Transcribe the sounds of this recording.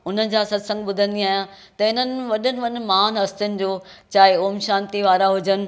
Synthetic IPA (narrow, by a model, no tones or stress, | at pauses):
ʊn̤ənɪ̆d͡ʑaːsɐd̪sɐ̃ŋɡ̚ɓʊd̪ʱə̃nd̪iaːɦjã | t̪ɐɪn̤ənɪ̆ʋɐɗənɪ̆ʋɐɗ̆maːnɦɐst̪ʊnɪ̆d͡ʑoːt͡ɕaːɦeoːmʃãːnt̪iʋaːɾaɦʊd͡ʑənɪ̆